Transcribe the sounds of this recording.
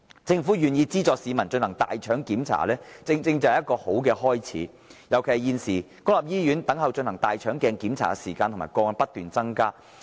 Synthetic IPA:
t͡sɪ˧ŋfuː˨˥jyː˨˩njiː˧t͡siː˥t͡sɔː˨˧k̚siː˨˧mɐ˨˩nt͡ʃɵ˧nhɐ˨˩ŋt̪a̰ː˨jt͡ʃʰœː˨˥ŋkiː˨˥mt͡sʰa̰ː˨˩lɛː˥t͡sɪ˧ŋt͡sɪ˧ŋt͡sɐ˨whɛ˨j̚kːɔː˧ho˨˥wkɛː˧hɔː˥jt͡sʰḭː˨˥ | jɐ˨˩wkʰe˨˩jjiː˧nsiː˨˩ | kɔː˥la˨p̚jiː˥jyː˨˥nt̪ɐ˨˥ŋhɐ˨wt͡ʃɵ˧nhɐ˨˩ŋt̪aː˨jt͡ʃʰœː˨˥ŋkɛː˧ŋkiː˨˥mt͡sʰa̰ː˨˩kɛ˧siː˨˩kaː˧nt̪ʰma̰ː˨˩kɔː˧ŋa˧˩pɐ˥t̪̚yː˨nt͡sɐ˥ŋkaː˥

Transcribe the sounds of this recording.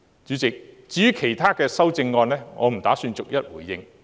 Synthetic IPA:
t͡ʃyː˨˥t͡sɪ˨k̚t͡siː˨˥jyː˥kʰe˨˩jt̪ʰaː˥kɛː˧sɐ˥wt͡sɪ˧ŋːɔː˧nlɛː˥ŋʔɔː˨˧m̩˨˩t̪aː˨˥syː˧nt͡sʊ˨k̚jɐ˥t̚wuː˨˩jːɪ˧ŋ

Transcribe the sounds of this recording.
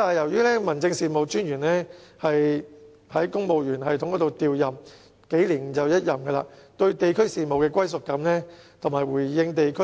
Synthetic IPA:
aː˨jɐ˨˩wjyː˥lɛː˥mɐ˨˩nt͡sɪ˧ŋsiː˨˧mo˨˧wt͡ʃyː˥njyː˨˩nlɛː˥hɐ˨j | hɐ˨˥jkʊ˥ŋmo˨wjyː˨˩nɦɐ˨jt̪ʰʊ˨˥ŋkɔː˨˥t̪o˨wt̪iː˨wjɐ˨m | ke˨˥jliː˨˩n˨t͡sɐ˨wjɐ˥t̚jɐ˨mɡə˧la̰ː˧˥t̪ɵ˧ɥt̪e˨jkʰɵ˥ɥsiː˨˧mo˨wkɛː˧k̬ʷwʷɐ˥jsʊ˨kːɐ˨˥mlɛː˥t̪ʰʊ˨˩maː˨˩wuː˨˩jːɪ˧ŋt̪e˨jkʰ

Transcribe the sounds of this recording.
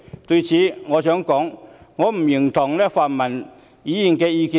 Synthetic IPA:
t̪ɵ˧ɥt͡sʰiː˨˥ŋɔː˨˧sœː˨˥ŋkɔː˨˥ŋːɔː˨˧m̩˨˩jɪ˨˩ŋt̪ʰʊ˨˩ŋlɛː˥faː˨˩nmɐ˨˩n | jiː˨˥jiː˨˩nkɛː˧jiː˧kiː˨˥

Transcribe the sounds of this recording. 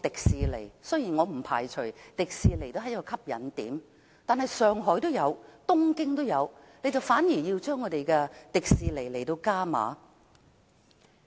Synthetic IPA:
t̪ɪ˨k̚siː˨le˨˩jsɵ˥jiː˨˩nŋɔː˨˧m̩˨˩pʰaː˨˩jt͡ʃʰɵ˨˩t̪ɪ˨k̚siː˨le˨˩jt̪o˥wɦɐ˨˥jkɔː˧kʰɐ˥p̚jɐ̰˨˥nt̪iː˨˥m | t̪aː˨nhɐ˨jsœː˨ŋɦɔː˨˥jt̪o˥wjɐ˨˧wt̪ʊ˥ŋkɪ˥ŋt̪o˥wjɐ˨˧wne˨˧jt͡sɐ˨wfaː˨˥njiː˨˩ji˧wt͡ʃœː˥ŋːɔː˨˧t̪e˨jkɛ˧t̪ɪ˨k̚siː˨le˨˩jle˨˩jt̪o˧wkaː˥ma̰ː˨˥

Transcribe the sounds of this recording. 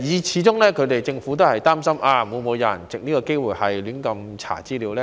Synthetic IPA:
jiː˨˧t͡ɕʰiː˨˥t͡sʊ˥ŋlɛː˥kʰɵ˧ɥt̪e˨jt͡sɪ˧ŋfuː˨˥t̪̬o˥whɐ˨jt̪aː˥msɐ˥mʔaː˧mu˨˧nmo˨˧wjɐ̰˨˩nt͡sɪ˨k̚niː˥kɔ˧ke˥jwuː˨˩jhɐ˨jlyː˨˥nkɐ˧mt͡sʰa̰ː˨˩t͡siː˥liː˨˧wlɛː˥

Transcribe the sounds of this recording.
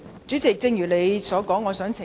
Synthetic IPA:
t͡ʃyː˨˥t͡sɪ˨k̚t͡sɪ˧ŋjyː˨˩le˨˧jsɔː˨˥kɔː˨˥ŋːɔː˨˧sœː˨˥ŋt͡sʰɪ˨˩

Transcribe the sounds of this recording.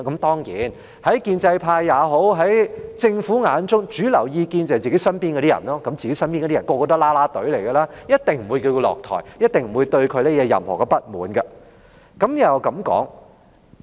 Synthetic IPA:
kɐ˨˦mt̪ɔː˥ŋjiː˨˥n | hɐ˨˥jkiː˧nt͡sɐ˧jpʰaː˧jːaː˨˧ɦo˨˥wɦɐ˨˥jt͡sɪ˧ŋfuː˨˥ŋaː˨˧nt͡sʊ˥ŋt͡ʃyː˨˥lɐ˨˩wjiː˧kiː˧nt͡sɐ˨˩t͡siː˨˩ke˨˥jsɐ˥npiː˥nkɔ˧ɾi˥jɐ̰˨˩nlɔː˥kɐ˨˦mt͡ɕi˨ke˨˥jsɐ˥npi˥nɔ˧˥i˥ɐ˨˩nkɔː˧kɔː˧t̪ɐ˥laː˥laː˥t̪ɵ˨˥ɥle˨˩jɡɐ˧laː˥jɐ˥t̚t̪ɪ˨ŋm̩˨˩wu˨˧jki˧wkɔ˧lɔ̰ː˨k̚t̪ʰɔ̰ː˨˩jjɐ˥t̚t̪ɪ˨˩ŋm̩˨˩wu˨˧jt̪ɵ˧ɥkʰɵ˨˧ɥlɛː˥jɛː˨˧jɐ̰˨˩mhɔ̰ː˨˩kɛ˧pɐ˦˥t̚muː˨nɡɐ˧ | kɐ˨˦˥mn˨ɐ˨˩˨kɐ˨˦˥mkɔ̰ː˨˥ŋ

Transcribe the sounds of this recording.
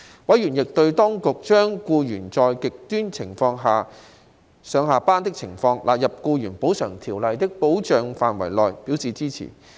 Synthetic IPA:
wɐ˨˥jɥyː˨˩njɪ˨k̚t̪ɵ˧ɥt̪ɔː˥ŋkʊ˨k̚t͡ʃœː˥ŋkuː˧jyː˨˩nt͡sɔː˧jkɪ˨k̚t̪yː˥nt͡sʰɪ˨˩ŋfɔː˧ŋɦaː˨ | sœː˨˧ŋɦaː˨˧paː˥nt̪ɪ˥k̚t͡sʰɪ˨˩ŋfɔː˧ŋlʔaː˨t̚jɐ˨p̚kuː˧jyː˨˩npo˨˥wsœː˨˩ŋt̪ʰiː˨˩wlɐ˨˧jt̪ɪ˥k̚po˨˥wt͡ʃœː˨ŋfaː˨nwɐ̰˨˩jlɔː˨˩jpi˨˥wsiː˨t͡siː˥t͡sʰḭː˨˩

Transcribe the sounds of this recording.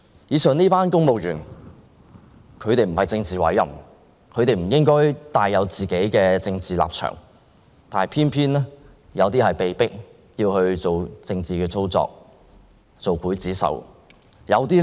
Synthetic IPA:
jiː˨˧sœː˨˧ŋniː˥paː˥nkʊ˥ŋmo˨wjyː˨˩n | kʰɵ˨˧ɥt̪e˨jm̩˨˩hɐ˨˩jt͡sɪ˧ŋt͡siː˨˩wɐ̰˨˥jːɐ̰˨˩m | kʰɵ˨˧ɥt̪e˨jm̩˨˩jɪ˥ŋkɔː˥jt̪aː˨jːɐ˨˧wt͡siː˨ke˨˥jkɛː˧t͡sɪ˧ŋt͡siː˨la̰ː˨p̚t͡ʃʰœ̰˨˩ŋ | t̪aː˨nhɐ˨˩pʰiː˥npʰiː˥nɛː˥ | jɐ˨˧wt̪iː˥hɐ˨jpe˨˩jpɪ˥k̚ | jiː˧whɵ˧ɥt͡so˨˩wt͡sɪ˧ŋt͡siː˨kɛː˧t͡sʰo˥wt͡sɔ̰ː˧k̚ | t͡so˨wpʰuː˨˥jt͡siː˨˥sɐ̰˨˧w | jɐ˨˧wt̪iː˥

